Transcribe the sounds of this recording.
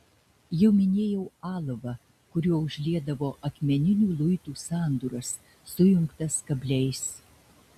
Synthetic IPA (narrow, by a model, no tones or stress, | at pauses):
jɛʊmʲɪnʲeːjɛʊɑːlˠɐʋɐ | kʊɾʲuɔʊʒʲlʲiɛd̪ɐʋoːʔɐkmʲɛnʲɪnʲuːlˠʊɪt̪uːsɑːnd̪uːɾɐsː | ʊjʊŋkt̪ɐskɐbʲlʲɛɪs